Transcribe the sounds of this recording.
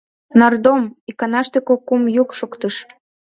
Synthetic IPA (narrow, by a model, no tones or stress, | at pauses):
nɑrd̪omikɑnɑʃt̪ekokːumjukʃokt̪əʃ